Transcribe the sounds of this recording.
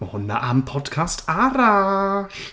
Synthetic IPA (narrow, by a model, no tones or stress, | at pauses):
məhʊna̰ʔampʰɔdkʰastʰaɾaɬ